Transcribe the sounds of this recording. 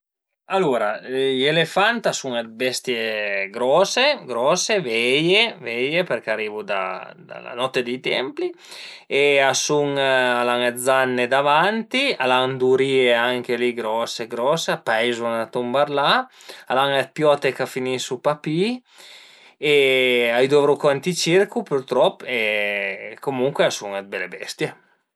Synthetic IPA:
aluɾa̰jelefant̪asuŋabɛst̪jeɡɾɔseɡɾɔsevɛjevɛjepeɾkaɾiːvud̪a̰d̪a̰la̰nɔt̪ːed̪it̪ɛ̰mpli | easuŋalaŋed̪zanːed̪avant̪ialand̪uɾieaŋkeliɡɾɔseɡɾɔsapajzunat̪umbaɾla | alaŋat̪̚pjɔt̪ekafinisupapi | eajd̪ovɾukɛnt̪it͡ʃiɾkupuɾt̪ɾɔpːe | komuŋkweasuŋat̪̚belebɛ̰st̪je

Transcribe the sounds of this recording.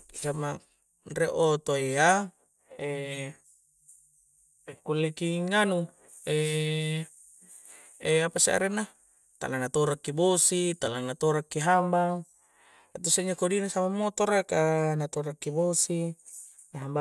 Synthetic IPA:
sama | nreʔot̪oea | e | kulːekiŋanu | e | eapasa̰ʔa̰ɾenːa | t̪a̰lanat̪oɾakːibosit̪alanat̪oɾakːiɦambaŋ | at̪useɲakodinasamamːot̪oɾakanat̪oɾakːibosi | naɦamba

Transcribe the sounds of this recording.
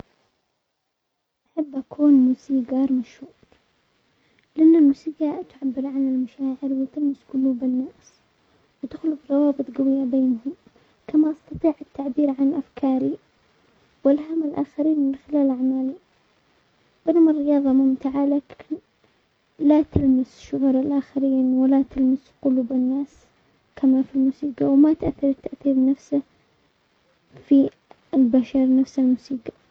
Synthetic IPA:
ʔaħabːʔakʰuːnmuːsiːɡɑɾˤmaʃhuːɾ | lɪʔanːalmusiːɡaʔt̪ʕabːɪɾʕanɪlmaʃaːʕɪɾwɪt̪anːɪsɡʊluːbɪnːaːs | wɪt̪ɪxlʊfɾˤɑwɑːbɨt̪ˤɡawɪjːabeːnɦʊm | kamaʔɑst̪ɑt̪ˤiːʕɪt̪ːaʕbiːɾʕanʔafkʰɑːɾi | wɪlɦamːalʔaːxaɾiːnmɪnxɪlaːlʔaʕmaːli | b̥ɪnamrːɪjɑːðˤɑmʊmt̪ɪʕalak | lat̪almɪsʃːʊɣuːɾɪlʔaːxaɾiːnwɪlat̪almɪsqʊluːbɪnːaːs | kʰamafilmuːsiːqawɪmat̪ʔaθːɑɾˤɪt̪ːaʔθiːɾnafsɪh | fi | ɪlbaʃaɾnafsalmuːsiːqa

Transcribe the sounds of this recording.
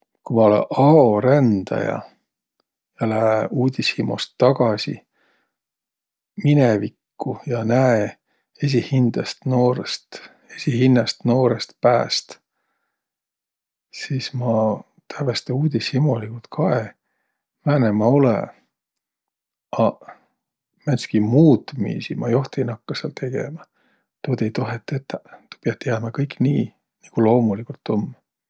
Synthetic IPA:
kumɑo̞lḛʔɑoɾænd̪̥ɑ̰jɑ̰ | jɑlæeuːd̪̥ʲishimo̰st̪ːɑɡ̥ɑsʲḭ | minevikːujɑnæe | es̬ʲihind̪̥ɑst̪noːɾest̪ | e̞sʲihinːɑst̪no̞ːɾest̪̚pæːst̪ | sismɑ | t̪ʰævest̪euːd̪̥ʲisimolikult̪kʰɑe | mæːnemɑolḛ | ɑ | mænskimuːd̪̥mḭːsimɑjo̞ht̪inɑkːɑseɑ̰lt̪ʰe̞ɡ̥ḛmɑ | t̪oːd̪ejt̪oɦet̪ˑːet̪ːɑt̪u̥piɑt̪ːˑjæːmɑkɤjkːniː | niɡ̥ulo̞ːmulikult̪ːomː

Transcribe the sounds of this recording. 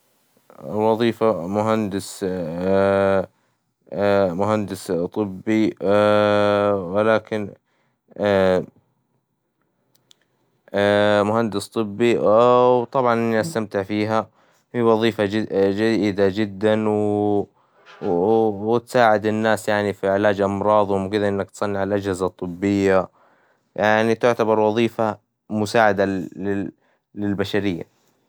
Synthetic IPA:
wɑðˤiːfamʊɦand̪ɪs | mʊɦand̪ɪst̪ˤɨbːi | wɪlaːkɪn | mʊhand̪ɪst̪ˤɨbːiwt̪ˤɑbʕɑnʔɪnːiʔast̪amt̪ɪʕfiːɦa | fiwɑðˤiːfad͡ʒajd̪ad͡ʒɪd̪ːanw | wɪt̪saːʕɪd̪ɪnːaːsjaʕnifiʕɪlaːd͡ʒʔɑmɾˤɑːðˤwmkɪd̪aʔɪnːak̚t̪sˤɑnːiʕalʔad͡ʒhɪzat̪ˤːɨbːɪjːa | jaʕnit̪ɪʕt̪abɑɾˤwɑðˤiːfa | mʊsaːʕad̪aɪ | lɪlbaʃaɾɪjːa̰

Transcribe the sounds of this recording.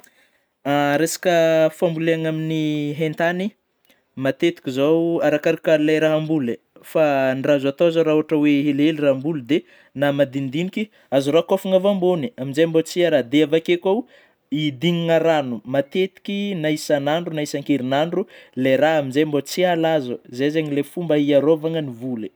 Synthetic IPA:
aɾesḁkəfambuleaŋaminiɦent̪ani | mat̪et̪i̥kʲizowaɾakaɾikəlajɾaɦambule | fanrazat̪oazoɾauaʈ͡ʂəweɦeleliraɦmbulud̪e | namad̪ind̪iniki | azuɾakofuŋavamboniaminzejmbot͡siaɾad̪eavakekaw | id̪iŋiŋaɾanumat̪et̪i̥kʲinaisanaɳɖ͡ʐunaisaŋkeɾinaɳɖ͡ʐulejɾaɦamizejmbot͡sialazəzezeɲilefumbəiaɾovaŋənivule

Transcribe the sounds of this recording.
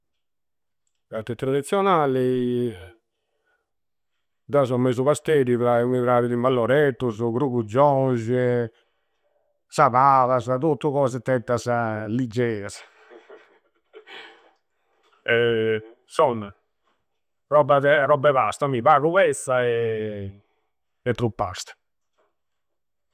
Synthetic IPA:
kaɾt̪ːɛt̪ːɾad̪it̪sjɔnaːlɛ | d̪azɔmːezuβast̪ɛɾiβɾaɛumiβɾaːɾilimvalːɔɾɛt̪ːuzuɡɾuɣud͡ʒɔnʒɛ | saβavazat̪ut̪ːuɣɔːzɛt̪ːɛt̪ːazalid͡ʒːɛːas | ɛ | sɔn | rɔbaðɛɾɔbːɛβast̪amiβaːɣuβɛsaɛ | ɛt̪ːɾupːa̰st̪ḁ

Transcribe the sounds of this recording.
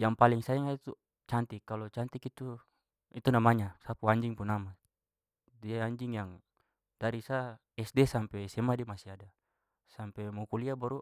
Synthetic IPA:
jaŋpaliŋsaɛŋait̪u | t͡ʃant̪ikalɔt͡ʃant̪ikit̪u | it̪unamaɲasapuaɲd͡ʒiŋpunama | diaaɲd͡ʒiŋjaŋ | d̥aɾisa | ɛsdɛsampɛsɛmadimasiada | sampɛmɔkuliabaɾu

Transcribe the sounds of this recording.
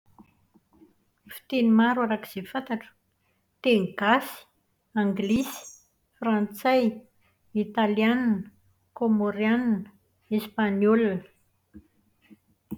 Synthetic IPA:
fi̥t̪enimaɾwaɾakiz̥efant̪aʈ͡ʂə̥ | t̪eŋɡasi̥ | aŋɡlisi̥ | frãnt͡saj | it̪aliannə | komoɾjannə | espaɲolnə̥

